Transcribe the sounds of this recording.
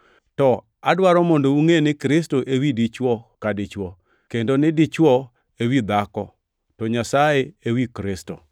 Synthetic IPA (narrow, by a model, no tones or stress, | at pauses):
tɔ | adwaɾɔmɔndouŋenɪkɾɪstoʔewidit͡ʃwɔkadɪt͡ʃwɔ | kendonɪdɪt͡ʃwɔ | ewid̪akɔ | tɔɲasajeewikɾɪsto̰